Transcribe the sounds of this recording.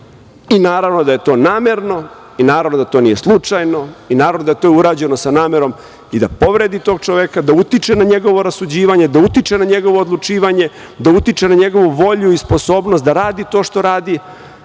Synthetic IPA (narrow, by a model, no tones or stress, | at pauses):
inaːɾaʋno̞d̪aje̞t̪o̞ːnaːmeɾno̞ | inaːɾaʋno̞d̪at̪onije̞slˠut͡ʂajno̞inaːɾaʋnod̪ajet̪o̞ːiuɾaːd͡ʑe̞no̞sanaːmeɾo̞m | id̪apo̞ʋɾed̪it̪o̞ːɡ̚t͡ʂoʋekad̪aut̪it͡ʂenaɲe̞ɡo̞ʋoɾasud͡ʑiːʋaɲe̞d̪aut̪it͡ʂenaɲe̞ɡo̞ʋo̞ːd̪lˠut͡ʂiːʋaɲe̞ | d̪aut̪it͡ʂenaɲe̞ɡo̞ʋuʋo̞ʎuispo̞so̞ːbnost̪d̪aɾaːd̪it̪o̞ːʂt̪o̞ɾaːd̪i